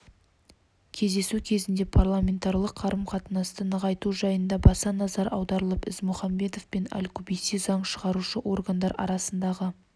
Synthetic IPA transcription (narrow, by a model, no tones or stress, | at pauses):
kʲʰe̞zd̪e̞sukʲʰe̞zɪnd̪e̞pʰarlˠamʲe̞nt̪aɾlˠəqʰːɑɾəmqʰɑt̪ənɑst̪ənəʁɑjt̪uʒɑjənd̪ɑbɑsɑnɑzɑɾʔɑ̰wd̪ɑɾəlˠəpɪzmʊχɑmbe̞t̪o̞fpe̞næ̰lkʲʰɵbisizɑɴʃəʁɑɾuʃəʔo̞rɡand̪ɑɾɑ̰ɾɑsənd̪ɑʁə